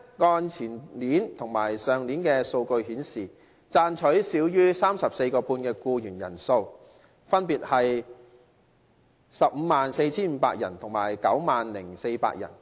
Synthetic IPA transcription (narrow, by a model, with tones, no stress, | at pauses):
ŋɔː˧nt͡sʰiː˨˩nliː˨˥nt̪ʰʊ˨˩ŋmaː˨˩jsœː˨˩ŋniː˨˥nkɛː˧so˧wkɵ˧ɥhiː˨˥nsiː˨ | t͡saː˧nt͡ʃʰɵ˨˥siː˨˥wjyː˥saː˥msɐ˨p̚se˧jkɔː˧puː˧nkɛː˧kuː˧jyː˨˩njɐ̰˨˩nso˧w | fɐ˥npiː˨t̚hɐ˨j | sɐ˨p̚m̩ː˨˧maː˨nse˧jt͡sʰiː˥nm̩ː˨˧pa̰ː˧k̚jɐ˨˩nt̪ʰʊ˨˩ŋmaː˨˩jkɐ˨˥wmaː˨nlɪ˨˩ŋse˧jpa̰ː˧˥k̚jɐ̰˨˩n